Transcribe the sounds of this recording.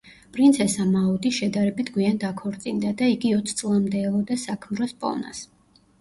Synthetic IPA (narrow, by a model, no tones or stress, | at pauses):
pʼɾint̪sʰɛsamaɔd̪iʃɛd̪aɾɛbit̪ʰɡwiand̪akʰɔɾt̪sʼind̪ad̪aiɡiɔt̪sʰt̪sʼlˠamd̪ɛːlˠɔd̪asakʰmɾɔspʼɔ̰na̰s